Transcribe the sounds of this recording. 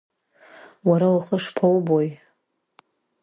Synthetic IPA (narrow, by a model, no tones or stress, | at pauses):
waɾawaχəʂpʰawboj